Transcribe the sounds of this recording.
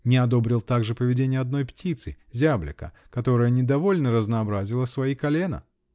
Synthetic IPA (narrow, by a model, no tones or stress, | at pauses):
nʲɪɐd̪o̞bɾʲɪlˠt̪aɡʐɨpəvʲɪdʲenʲɪjəɐd̪̚no̞jptʲit̪sɨ | zʲablʲɪ̰kə̰ | kɐt̪o̞ɾəjənʲɪd̪ɐvo̞lʲnəɾəznɐːbɾazʲɪlˠəsvɐikɐlʲenə̰